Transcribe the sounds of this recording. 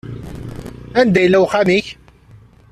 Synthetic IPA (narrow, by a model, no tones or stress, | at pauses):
ænd̪æjlːæwχæmiç